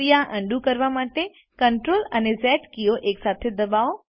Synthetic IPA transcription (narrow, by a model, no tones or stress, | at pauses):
ijaʔə̃ɳɖũkəɾʋamaːʈe | kəɳʈɾoːlənezɛːʈkijoʔeːksaːt̪ʰed̪ɐbaːo